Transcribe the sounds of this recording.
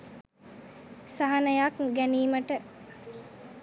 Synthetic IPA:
saɦanəjakɡæniːməʈə

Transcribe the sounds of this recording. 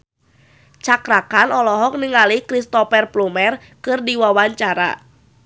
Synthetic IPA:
t͡ʃakɾakanɔlɔɦɔk̚niŋalikɾist̪ɔpɛrplumɛr | kɨrdiwawaɲt͡ʃaɾa̰

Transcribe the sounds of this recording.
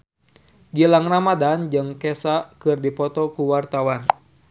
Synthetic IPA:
d͡ʒilaŋramadand͡ʒɨŋkɛsakɨrdipɔt̪ɔkuwart̪awan

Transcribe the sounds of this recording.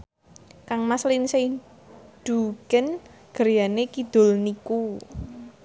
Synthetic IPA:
kaŋmaslinse | d̪̥ṳɡ̥ən | ɡ̥əɾjanekid̪̥ʊ̤lniku

